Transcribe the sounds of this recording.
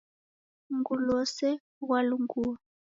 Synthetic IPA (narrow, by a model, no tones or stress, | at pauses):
ŋɡulɔsɛ | ɣwaluŋɡuːa